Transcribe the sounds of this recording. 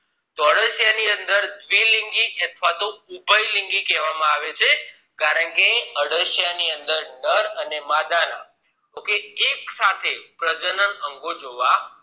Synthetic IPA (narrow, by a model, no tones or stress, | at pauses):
t̪oəɽəʃjaniənd̪əɾd̪ʋiliŋɡiʔət̪ʰʋat̪oubʱəjliŋɡikɛʋamãaʋet͡ʃʰe | kaɾəɳkeəɽəʃjaniənd̪əɾnəɾənemad̪aɾa̰ | d͡ʒokeːk̚sat̪ʰepɾəd͡ʒənənəŋɡod͡ʒoʋa